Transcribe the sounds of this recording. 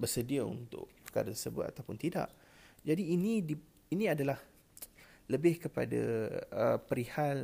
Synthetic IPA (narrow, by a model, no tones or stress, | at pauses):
bərsədiaṵnt̪ʊ̰ʔpəka̰ɾat̪ərsəbʊ̰t̪a̰t̪awpʊnt̪ida̰ʔ | d͡ʒadiːnĩdi | inĩadalah | ləbɪhkəpa̰da̰ə̰pəɾihal